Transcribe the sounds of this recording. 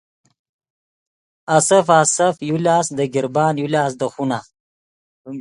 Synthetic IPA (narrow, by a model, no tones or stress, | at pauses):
asɐfasafjulaːsd̪əɡɪɾbɑːnjulaːs̬d̪əxuna